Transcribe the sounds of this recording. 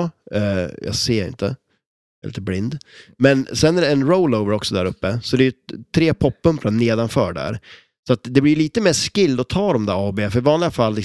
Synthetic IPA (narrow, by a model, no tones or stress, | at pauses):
jɑ̰seːɾɪ̰nt̪ə̰ | lḭːt̪əblɪnd̪mɛnsɛnːæɾɛɛnɾoʊləʊvəɾɔksɔd̪æɾɵpːəsɔd̪ɛjɵt̪ʰɾeːpʰɔpːɵmplaneːd̪anfœːɖæ̰ːɾ | sɔat̪d̪ɛblɪɾjɭiːt̪əmeːʂkɪld̪ɔt̪ʰɑːɾɔmd̪æːɾɑːbeːfœɾɪvɑːnlɪɡafalːɪ